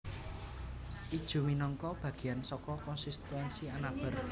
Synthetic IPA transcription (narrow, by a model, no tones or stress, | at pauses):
ʔid̥ʒ̥ṳminɔŋkɔb̥ä̤ɡ̥i̤jansɔkɔkɔnsist̪wɛnsianab̥ə̤r